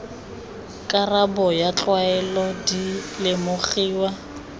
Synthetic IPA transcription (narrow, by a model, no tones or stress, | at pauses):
kʼarabɔjat͡ɬʼwaɛlɔdilɪmʊχiːwa